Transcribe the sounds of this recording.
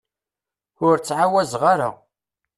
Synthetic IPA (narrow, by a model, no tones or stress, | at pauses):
ʊɾt͡sːʕawæzʁaɾa̰